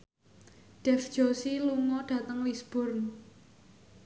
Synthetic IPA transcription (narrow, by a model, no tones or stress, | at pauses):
ɖ̥ɛfd̥ʒ̥osiluŋɔɖ̥ä̤t̪əŋwisb̥ʊ̤rn